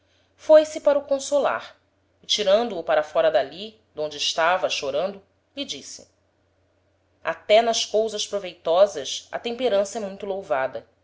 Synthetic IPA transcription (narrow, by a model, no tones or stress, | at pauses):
fojsɪpaɾʊkõsola̰ɾ | ɪt͡ʃiɾɐ̃nd̪ʊːpaɾɐfɔɾɐd̪ali | d̪õnd͡ʒɪːʃt̪avɐʃoɾɐ̃nd̪ʊ | lɪd͡ʒisɪ̰ | a̰t̪ɛnɐʃkowzɐʃpɾovejt̪ɔzɐsɐ̰t̪ẽmpeɾɐ̃sɐɛmũj̃t̪ʊlowvad̪ɐ